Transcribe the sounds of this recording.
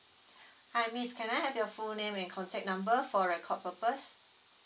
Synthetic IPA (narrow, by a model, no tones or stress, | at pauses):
hajmiskʰɛ̃najhɛvjɔfulnẽmɛ̃nkʰɔ̃ntʰɛk̚nãmbəfɔɹɛkʰɔt̚pəpəs